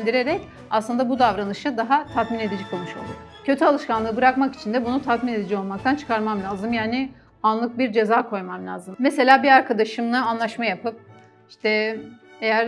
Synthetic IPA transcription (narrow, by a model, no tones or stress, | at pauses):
nd̪iɾe̞ɾɛc | aslˠɯnd̪abud̪avɾanɯʃad̪aɦat̪ʰat̪mine̞d̪id͡ʒɛkʰolˠmɯʃo̞̰lˠd̪u | cʰø̞t̪ʰyalˠɯʃkanˠɯɯbɯɾakmaki̥t͡ʃʰind̪ɛbunut̪ʰat̪mined̪id͡ʒɛo̞lˠmakt̪ʰant͡ʃʰɯ̥kʰaɾmamlʲaːzɯmjaːnɪ | anlˠɯk̚biɾd͡ʒe̞zaːkʰo̞jmamlʲa̰ːzɯmmese̞lʲaːbiaɾkʰad̪aʃɯmlˠaːnlˠaʃmajapʰɯp̚ | iʃt̪ʰɛ | e̞jæɾ